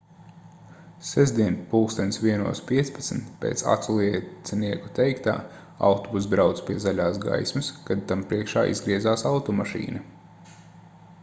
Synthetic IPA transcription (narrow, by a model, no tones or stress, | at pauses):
sɛʒd̪ʲiɛnpuːkst̪ɛnʲsʋiɛnṵɔspʲiɛt̪spat̪sm̩t̪pʲḛːt̪sa̰t̪sulˠiɛsɛniɛku̥t̪ɛjkt̪a̰ː | a̰wt̪ɔbus̬b̪ɾawt̪spʲiɛzalʲaːsɡa̰jsmɐskad̪̚t̪ampɾiɛkʃaːʔḭzɡɾiɛzaːsawt̪ɔmaʃḭːnɐ